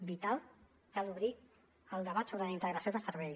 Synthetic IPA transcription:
bit̪alˠ | kaluβɾi | əlˠd̪əβat̪soβɾələint̪əɣɾəsioðəsəɾβɛʎ

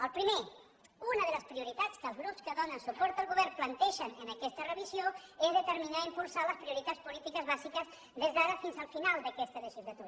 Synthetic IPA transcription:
əlˠpɾime | unəðələspɾiuɾit̪at͡skəlˠzɣɾupskəðɔnənsupɔɾt̪əlˠɣuβɛɾrplənt̪ɛʃənənəkɛst̪ərəβizjoezðət̪əɾminaimpulˠsaləspɾiuɾit̪at͡spulit̪ikəzβazikəz | ðezðaɾəfinzəlˠfinalˠd̪əkɛst̪ələʒizlat̪uɾ

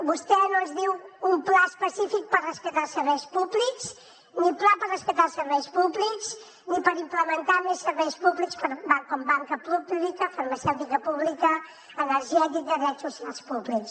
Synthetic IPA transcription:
bust̪ɛnõzðiwumplaəspəsifik̚pərəspət̪asəɾβɛjspublikz | niplapərəspət̪asəɾβɛjspublikz | nipəɾimpləmənt̪amesːəɾβɛjspuβlikskəbaŋkɔmbaŋkəpublikəfəɾmasɛwt̪ikəpuβlikəː | nəɾʒɛt̪̬ik̚d̪əðɾɛt̪susialˠspubliks

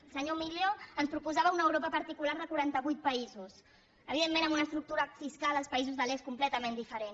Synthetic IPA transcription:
səɲomiʎoənspɾupuzaβəunəwɾopəpəɾt̪ikulaɾðəkuɾant̪əβujt̪̚pəizus | əβiðemːẽnəmunəst̪ɾuk̚t̪uɾəfiskalˠəlˠspəizuzðəleskumplɛt̪əmẽnd̪ifəɾen

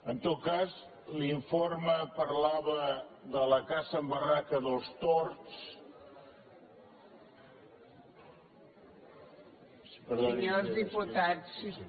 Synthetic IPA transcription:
ənt̪ot̪̚kaz | liɱfoɾməpəɾlaβəðələkasəmbərakəðəlˠst̪oɾt͡s | pəɾðoozðiput̪ats

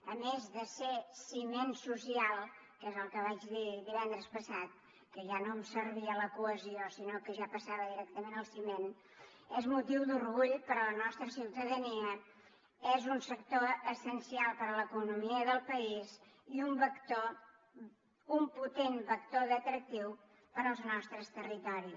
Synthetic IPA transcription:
əmezðəsesimensusialˠ | kezəlˠkəβ̞ad͡ʒðiðiβɛnd̪ɾəspəsat̪̚ | kəʒanomsərβiələkuəziosinokəʒapəsaβəðiɾɛk̚t̪əmenəlˠsimen | ɛzmut̪iwd̪urɣuʎpəɾələnɔst̪ɾəsiwt̪əðəniə | ɛzunsəkt̪oəsənsialˠpəɾələkunumiəðəlˠpəiz | iumbəkt̪o | umput̪enbək̚t̪oðət̪ɾək̚t̪iw | pəɾəlˠznɔst̪ɾəst̪ərit̪ɔɾi

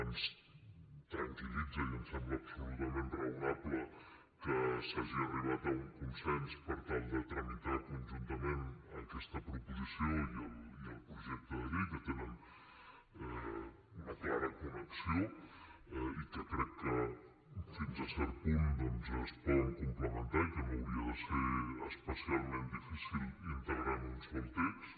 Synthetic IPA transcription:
ans | t̪ɾaŋkilid͡zəiəmsɛmbləɐpsulut̪əmenrəunaplə | kəsaʒiəriβat̪əuŋkunsɛnspəɾt̪ald̪ət̪ɾəmit̪at̪unʒunt̪əmenəkɛst̪əpɾupuzisioiəliəlˠpɾuʒɛk̚t̪əðəɾikət̪enɛm | ɛ | unəklaɾəkunəksio | ikəkɾɛkːə | finzəsɛɾpund̪ɔnzəspɔnkumpləmənt̪aikənoəwɾiəðəseəspəsialˠmend̪ifisilˠint̪əɣɾanunzβɔlt̪ɛks

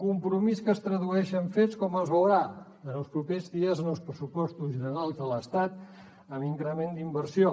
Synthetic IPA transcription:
kumpɾumiskəst̪ɾəðuɛʃəɱfet͡skɔməlˠzβəwɾa | ənəlˠspɾupezðiəzənəlˠspɾəsupɔst̪uzənəɾalˠzðələst̪at̪̚ | əmiŋkɾəmend̪imbərsio

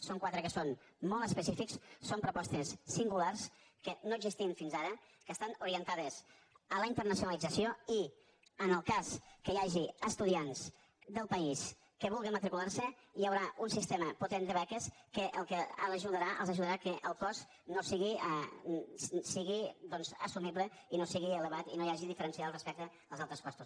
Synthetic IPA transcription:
soŋkwat̪ɾəkəson | mɔlˠt̪əspəsifikssompɾupɔst̪əsːiŋɡulars | kənoəɡzist̪iəɱfinzaɾə | kəst̪anuɾiənt̪aðəs | ələint̪əɾnəsiunalid͡zəsioi | ənəlˠkaskəjaʒiəst̪uðians | ðəlˠpəis | kəβulˠɣəmət̪ɾikularsəiəwɾaunsist̪eməput̪end̪əβɛkəskəʔəlˠkəə̰ləʒuðəɾaʔə̰lˠzəʒuðəɾakəʔəlˠkɔs | nosiɣiə | siɣid̪ɔnzə̰sumiβlə | inosiɣiələβat̪inojaʒiðifəɾənsiaðlˠrəspɛk̚t̪ə | əlˠzalˠt̪ɾəskɔst̪us

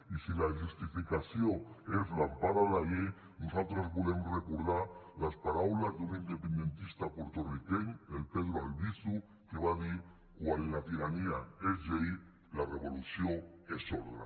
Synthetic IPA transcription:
isilaʒust̪ifikasjoezlampaðalaʎe | nusalt̪ɾazβulemrekuɾðaɾlaspaɾawlazðunind̪epend̪ent̪ist̪apoɾt̪orikeɲelpeðɾoalβisu | keβaðiɾ | kwallat̪iɾaniaezðei | lareβolusjoesoɾða̰

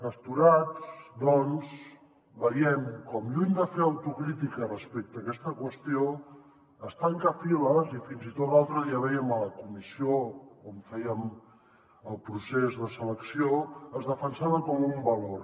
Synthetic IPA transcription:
pəst̪uɾad͡zd̪ɔnz | bəɾiɛmkɔmjund̪əfeəwt̪ukɾit̪ikərəspek̚t̪əːkɛst̪əkwəst̪io | əst̪aŋkəfiləzifinzit̪ot̪lalˠt̪ɾəðiəβɛjəmələkumisiokɔmfɛjəm | əlˠpɾusezðəsələksioəzðəfənsaβəkɔmumbəlor

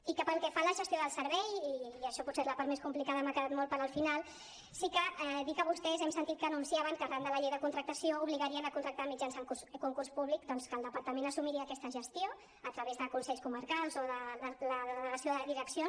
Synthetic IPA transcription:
ikəpəlˠkɛfaləʒəst̪ioðəlˠsəɾβɛjiːəʃɔput̪sezləpaɾt̪meskumplikaðəmakəðat̪̚mɔlpəɾəlˠfinalˠ | sikəɛd̪ikəβ̞ust̪ɛzɛmsə̃nt̪it̪̚kənunsiaβəŋkəɾand̪ələʎejðəkunt̪ɾək̚t̪əsiouβliɣəɾiənəkunt̪ɾək̚t̪amid͡ʒansəŋkuskuŋkurspuβlikd̪ɔnskəlˠd̪əpəɾt̪əmẽnəsumiɾiəːkɛst̪əʒəst̪jo | ət̪ɾəβezðəkunsɛʎskuməɾkalˠzoðələðəðələɣəsijoðəðiɾəksjo

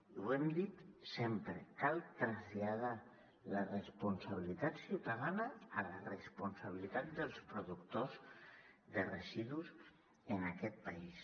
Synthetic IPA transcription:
uɛmd̪it̪sempɾəkalˠt̪ɾaəzʎaða | lərəspunsaβilit̪at̪siwt̪aðanəːlərəspunsaβ̞ilit̪at̪̚d̪əlˠspɾuðukt̪oz | ðərəziðuz | ənakɛt̪̚pais

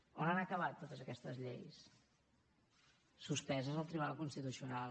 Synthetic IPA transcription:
onanəkəβat̪ːot̪əzəkɛst̪əzʎḛjs | suspɛzəzəlˠt̪ɾiβalˠkunst̪it̪usiunal

